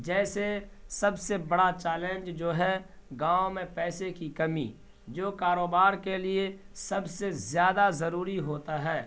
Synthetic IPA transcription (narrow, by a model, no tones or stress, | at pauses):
d͡ʒɛːsesɐbsebɐɽat͡ʃɛːlẽnd͡ʒd͡ʒoːɦɛ | ɡãːõmẽpɛːsekikɐmḭ | d͡ʒoːkaːɾoːbaːɾkelie | sɐbsezjaːd̪azɐɾuːɾiɦoːt̪aɦɛː